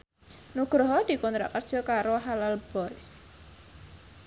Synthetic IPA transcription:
nuɡ̥ɾɔɦɔd̪̥i̤kɔnt̪ɾa̰kər̥ʒ̥ɔkaɾoɦalalb̥ɔjs

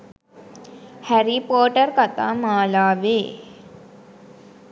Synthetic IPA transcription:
hæɾipoːʈərkat̪a̰ːmaːlaːʋeː

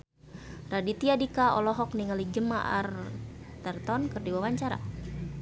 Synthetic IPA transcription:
radit̪iadikaɔ̰lɔɦɔk̚niŋalid͡ʒəma̰ʔa̰rt̪ɛrt̪ɔnkərdiwawaɲt͡ʃaɾa̰

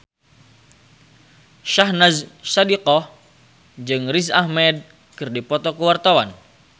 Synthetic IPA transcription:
ʃahnazsadiqɔh | d͡ʒɨŋris̬ahmɛd̚ | kɨrdipɔt̪ɔkəwart̪awan

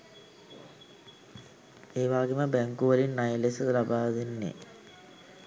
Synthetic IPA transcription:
eːʋaːɡeməbeŋkuʋɐɾinːɐjlesəlabaːʋðinːḛ

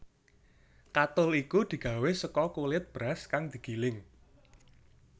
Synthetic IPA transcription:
kat̪ʊlikud̪̥i̤ɡ̥ä̤wesəkɔkulɪt̪̚b̥ɾaskaŋd̪̥i̤ɡ̥i̤lɪŋ

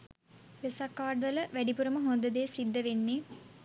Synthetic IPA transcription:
ʋesakːaːɾɖʋələʋæɖipuɾəməɦond̪əd̪eːsid̪ːəʋenːe

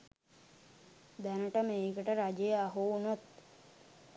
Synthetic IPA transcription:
d̪ænəʈəmeːkəʈəɾad͡ʒejəaɦunot̪

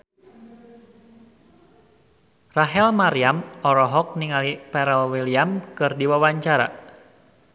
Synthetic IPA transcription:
raɦɛlmaɾiamɔɾɔɦɔk̚niŋalipɛɾɛlwiliamkɨrdiwawaɲt͡ʃaɾa̰

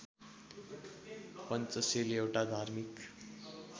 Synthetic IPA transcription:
pʌnt͡sʌselewʈad̪ʱarmik

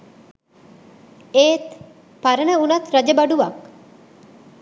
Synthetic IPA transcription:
eːt̪ | paɾənəunɐt̪ɾɐd͡ʒəbɐɖuʋɐk

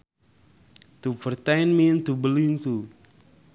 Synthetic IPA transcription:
t̪upərt̪ajnmint̪ubəlint̪u

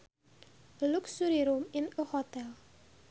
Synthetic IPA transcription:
luksuɾiɾuminəhɔt̪ɛl

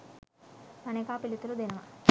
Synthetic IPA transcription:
mɐnekaːpilit̪ulud̪inɐmɐ̰

